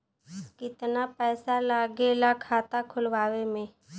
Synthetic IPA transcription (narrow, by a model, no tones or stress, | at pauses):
kɪt̪napɛːsalaːɡelakʰaːt̪akʰʊlʋaːwemẽː